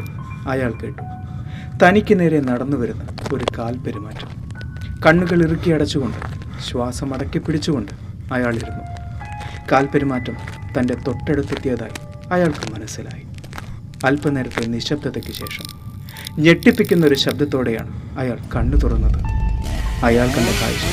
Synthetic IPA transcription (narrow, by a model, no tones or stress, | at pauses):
ɐjaːɭke̞ːʈːu̥ | t̪ɐnikʲːɨne̞ːɾenɐɽɐnːuʋɐɾunːɐo̞ɾukaːlpeɾumaːtːɐm | kɐɳːuɣɐɭirɨkʲːiɐɽɐt͡ɕːuɣo̞ɳɖɨ̰ | ɕwaːsɐmɐɽɐkːipːiɽit͡ɕːuɣo̞ɳɖɨ | ɐjaːɭiɾunːu | kaːlpeɾumaːtːɐmt̪ɐnde̞t̪o̞ʈːeɽut̪ːet̪ːjaːða̰ːji | ɐjaːɭkɨmɐnɐsːila̰ːji | ɐlpɐne̞ːɾɐt̪ːiniɕɐb̚d̪ʱɐt̪ːekʲːɨɕe̞̰ːʂɐm | ɲe̞ʈːipːikʲːunːɐo̞ɾuɕɐb̚d̪ɐt̪ːo̞ːɽe̞ja̰ːɳɨɐjaːɭkɐɳːut̪urɐnːɐðɨ | ɐjaːɭt̪ɐndeka̰ːjɕɐ